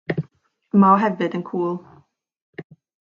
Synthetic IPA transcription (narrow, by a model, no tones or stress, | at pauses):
maɔɦɛvɨdənkʰuːlˠ